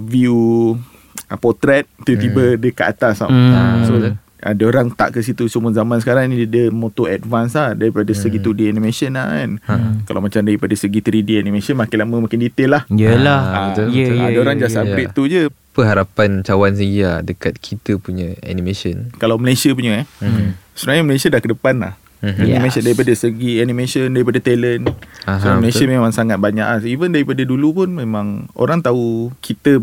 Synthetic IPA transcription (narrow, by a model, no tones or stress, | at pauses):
viu | əpɔt̪ɾɛt̪̚t̪it̪ibədəkaʔa̰t̪asa̰aso | ʔa̰dəoɾaŋt̪a̰ʔkəsit̪usumuzamansə̥kaɾaŋndədəmot̪oɛdvansladaɾipadasəɡit̪udianimẽsənanka̰lʔawmat͡ʃamdaɾipadasəɡit̪əɾidianĩmẽsənmakɪlamə̃mãkɪndit̪elahjəlaaət̪ujdəoɾaŋd͡ʒasajɾeʔt̪ud͡ʒə | pəɦaɾapant͡ʃawans̬əɡadəkat̪̚kʰit̪əpuɲãa̰nimẽsənkalawməlajsiap̬uɲəahsunaɲəməlajsiadahkədəpanla̰h | bəɲəmasəndaɾipadəsəɡianĩmẽsəndaɾipadat̪ɛlənaɦsoməlasəmemãŋsaŋat̪̚baɲa̰ʔasivəndaɾipadadulupʊnmẽmãŋo̰ɾaŋt̪aukʰit̪ə